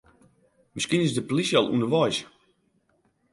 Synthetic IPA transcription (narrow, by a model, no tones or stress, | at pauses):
mɪskinɪsdəpolisjɔlˠṵnəʋɔjs